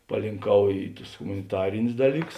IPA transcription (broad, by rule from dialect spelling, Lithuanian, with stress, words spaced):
pɐlʲɪŋˈkɐʊ ˈiː ˈtʊs ɣʊmɐnʲɪˈtɑːrʲɪnʲʊs ˈdɑːlʲiːˌkʊs